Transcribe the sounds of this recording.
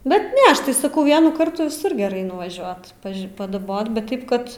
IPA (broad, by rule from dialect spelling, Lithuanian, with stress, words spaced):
ˈbʲɛt ˈnʲɛ ˈɐʃ tɐɪ sɐˈkɐʊ ˈʋʲiɛnuː ˈkɐrtuː ʋʲɪˈsʊr ɡʲɛˈrɐɪ nʊʋɐˈʒʲuɔt ˈpɐʃʲ pɐdɐˈboːt bʲɛt ˈtɐɪp kɐt